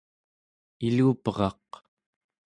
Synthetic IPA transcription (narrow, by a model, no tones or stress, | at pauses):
iluːpəʁɑ̰q̚